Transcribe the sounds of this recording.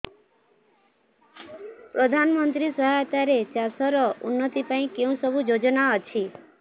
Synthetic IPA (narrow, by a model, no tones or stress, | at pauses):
pɾɔd̪ʱanɔmɔnt̪ɾisɔɦajt̪aɾet͡ʃasɔɾɔunːɔt̪ipaĩkeũsɔbʱud͡ʒod͡ʒɔnaɔt͡ʃʰi